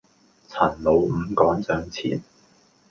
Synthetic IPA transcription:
t͡sʰɐ˨˩nlo˨˧wm̩ː˨˧kɔː˨˥nt͡sœː˨˥ŋt͡sʰḭː˨˩n

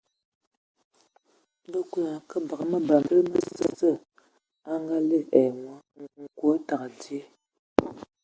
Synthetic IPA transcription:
bə˦ku˦˨a˨kə˦ba˨ɣə˨mə˦ba˨ŋɡə˦mə˦sə˦sə˦˨ | a˦ŋɡa˦le˦˨ɛ˨mwə˦˨ŋ̩˨kwo˦ta˨ka˨ti˦e˦

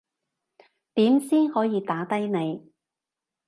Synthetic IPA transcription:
t̪iː˨˥msiː˥nhɔː˨˥jiː˨˧t̪aː˨˥t̪ɐ˥jne˨˧j

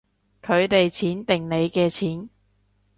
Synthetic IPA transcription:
kʰɵ˨˧ɥt̪e˨jt͡sʰiː˨˥nt̪ɪ˨ŋne˨˧jkɛː˧t͡sʰiː˨˥n

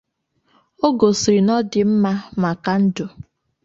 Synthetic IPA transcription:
o˦ɡo˨si˨ɾi˨nɔ˦dɪ˨m̩˦ma˦ma˨ka˦n̩˦dʊ˨

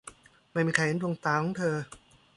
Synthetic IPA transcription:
ma˥˩jmiː˧kʰa˧˩he˦ndu˧əŋt̪aː˧kʰɔː˨˦˥ŋt̪ʰɤː˧

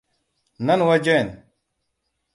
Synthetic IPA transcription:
na˦n˨wa˦d͡ʒe˦˨n

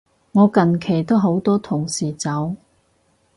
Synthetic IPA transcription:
ŋɔː˨˧kɐ˨nkʰe˨˩jt̪o˥wɦo˨˥wt̪ɔː˥t̪ʰʊ˨˩ŋsiː˨˩t͡sɐ˨˥w

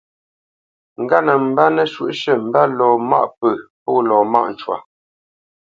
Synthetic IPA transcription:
ŋ̩˨ɡa˦nə˨m̩˦ba˦nə˦ʃwṵ˦˨ʔʃə˦˨m̩˨ba˦lɔː˨ma̰˦˨ʔpə˨pɔː˦˨lɔː˨ma̰˦ʔn̩˨t͡ʃwa̰˨

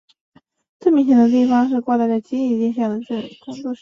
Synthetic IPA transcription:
t͡se˥˩mʲi˧˥ɕ̬i˧˥d̪ə˧t̪̬i˥˩fɑ˥ŋʂ̬ɻ̩˥˧kwɔ˥˧t̪a˥˧ɪt͡sa˥˩t͡ɕi˥ni˧˩t͡ɕɛ˥˧nɕjɑ˥˩ŋd̪ə˨˩ʈ͡ʂə˥˩˨kʰʊ˥ŋt͡sɔ˥˧ʂ

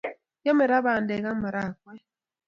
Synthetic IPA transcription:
jɔ˦mɛ˨ɾa˦βa˨ndɛ˨ɣa˦ma˨ɾa˦˨k̚wɛ˦

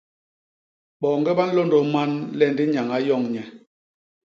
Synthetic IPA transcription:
ɓɔ˨ŋɡɛ˦ɓa˦n˦lo˦ndo˨ma˦nlɛ˦˨ndi˦ɲa˨ŋa˨˦jɔ˦˨ŋɲɛ˨

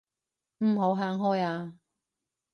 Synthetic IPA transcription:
m̩˨˩ɦo˨˧˥wɦaː˨˧ŋɦɔː˥jaː˧

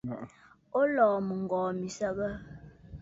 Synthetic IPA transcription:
o˦lɔː˨mə˨ŋ̩˨ɡɔː˨mi˨sə˦bə˦

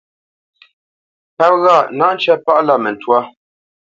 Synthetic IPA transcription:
pa˦p̚ɣa˦˨na˦n˦t͡ʃɛ˦pa˦ʔla˦˨mɛ˨n̩˨twa˦

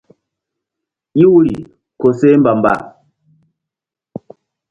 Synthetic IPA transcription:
i˦wu˦ɾḭ˨ | ko˨se˦m̩˦ba˨m˨ba̰˦

